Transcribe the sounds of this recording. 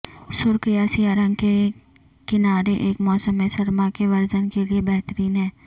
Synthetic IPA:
sʊɾkɪjaːsijaɾə̃ŋke | kɪnaːɾeʔeːkmɔːsəmːẽsɐɾmakeʋɐɾzənkeliebɛɦt̪əɾiːnɦɛ̃ː

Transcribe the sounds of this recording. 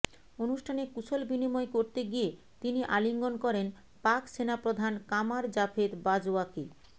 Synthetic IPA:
onuʃʈʰanekut͡ɕʰolbinimɔekoɾt̪eɡie | t̪iniʔaliŋɡonkɔɾen | pakʃenapɾod̪ʱankamaɾd͡ʑafʰed̪bad͡ʑaki

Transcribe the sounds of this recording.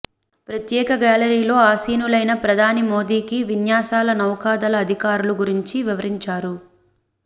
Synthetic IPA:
pɾɐt̪jɛːkɐɡaːlɐɾiːlo̞ːaːsiːnulɐjnɐpɾɐd̪ʱaːnimo̞ːd̪iːkiʋinjaːsaːlɐnɐwkaːd̪ɐlɐːd̪ʱikaːɾuluɡuɾiɲt͡ʃiʋiʋɐɾiɲt͡ʃaːɾu

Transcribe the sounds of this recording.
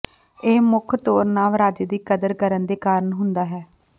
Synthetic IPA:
eːmʊkʰt̪oːɾnaːʋɾaːd͡ʒeːd̪iːkəd̪əɾkəɾənd̪eːkaːɾəɳɦʊnd̪aːɦɛː

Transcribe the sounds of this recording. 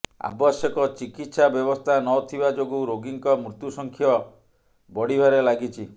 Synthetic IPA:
a̰bɔsjɔkɔt͡ʃikit̪sabjɔbɔst̪ʰanɔt̪ʰibad͡ʒoɡuɾoɡiŋkɔmɾut̪jusɔŋkʰjɔ | bɔɽibaɾelaɡit͡ʃʰi

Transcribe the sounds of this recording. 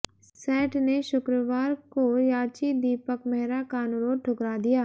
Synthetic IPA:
sɛːʈneʃʊkɾəʋaːɾkojaːt͡ʃid̪iːpəkmɛɦɾakaːnʊɾoːʈʰʊkɾad̪ijaː

